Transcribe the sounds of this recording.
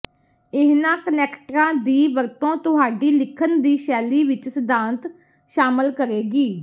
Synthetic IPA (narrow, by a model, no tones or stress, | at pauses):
ɪɦnãːkənɛːkʈɾãːd̪iːʋəɾt̪õːt̪ʊɦaːɖiːlɪkʰənd̪iːʃɛːliːʋɪt͡ʃsəd̪ãːnt̪ | ʃaːməlkəɾeːɡiː